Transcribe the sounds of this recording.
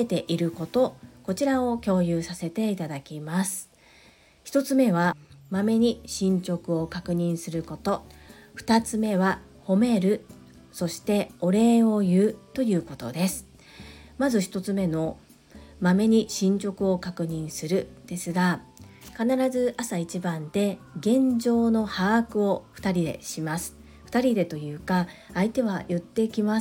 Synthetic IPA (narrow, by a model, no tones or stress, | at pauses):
et̪e̞ʔiɾɯ̟ko̞t̪o̞ko̞t͡ɕiɾao̞kʲo̞ːjɯːsase̞t̪e̞it̪ad̪akʲimasɨ̥ | çi̥t̪o̞t͡sɨme̞β̞amame̞ɲ̟iɕĩɲ̟t͡ɕo̞kɯ̟o̞kakɯ̟ɲ̟ĩɰ̃sɨɾɯ̟ko̞t̪o̞ | ɸɯ̟̥t̪at͡sɨme̞βa | ho̞me̞ɾɯ̟ | so̞ɕi̥t̪e̞o̞ɾe̞ːo̞jɯ̟ːt̪o̞jɯ̟ːko̞t̪o̞̰d̪e̞sɨ̥ | mazɨçi̥t̪o̞t͡sɨme̞no̞ | mame̞ɲ̟iɕĩɲ̟t͡ɕo̞kɯ̟o̞kakɯ̟ɲ̟ĩɰ̃sɨɾɯ̟d̪̥e̞sɨɡakanaɾazɨasait͡ɕibãnd̪e̞ɡẽ̞ɲd͡ʑo̞ːno̞haːkɯ̟o̞ɸɯ̟̥t̪aɾʲid̪e̞̰ɕimasɨ̥ | ɸɯ̥t̪aɾʲid̪e̞t̪o̞jɯ̟ːkaːit̪e̞β̞ajɯ̟t̪ːe̞ikʲima